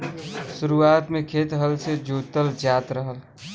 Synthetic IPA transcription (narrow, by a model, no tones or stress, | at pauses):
suɾuat̪mekʰet̪ɦəlsed͡ʒot̪əld͡ʒat̪ɾəɦəl